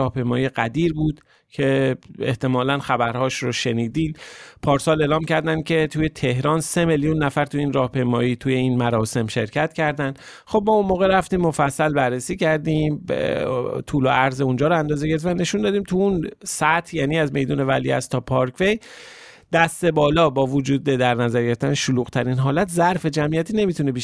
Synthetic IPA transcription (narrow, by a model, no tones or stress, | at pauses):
ɒːhpe̞jmɒːjieɡæd̪iːɾbuːd̪̥ | cʰe̞eht̪e̞mɒːlænxæbæɾhɒːʃɾoʃe̞niːd̪iːmpʰɒːɾsɒːle̞ːlɒːmcʰæɾd̪æn̥kcʰe̞t̪ʰuːje̞t̪ʰe̞hɾɒːnse̞meljunːæfæɾt̪ʰuiːnrɒːhpʰe̞jmɒːjiːt̪ʰuːje̞iːnmæɾɒːse̞mʃe̞ɾcʰæt̪cʰæɾd̪ænd̪ | xo̞b̚mɒːunmoːɣeɾæft̪iːmːo̞fæsːælbæɾːesiːcʰæɾd̪iːm | t̪ʰuːlo̰ʔæɾzeund͡ʒɒːɾɔænd̪ɒːzeɟeevæne̞ʃund̪ɒːd̪iːmt̪ʰuunsæt̪ʰjæːniːæzme̞jd̪uːne̞væ̰lḭæ̰st̪ʰːɒːpʰɒɾkʰve̞j | d̪̥æst̪e̞bɒːlɒːbɒːvod͡ʒuːd̪e̞d̪æɾnæzæɾjeft̪æneʃoluːɣ̥t̪ʰæɾinɦɒːlæt̪ʰzæɾfe̞d͡ʒæmijæt̪ʰiːne̞mit̪ʰunebiʃ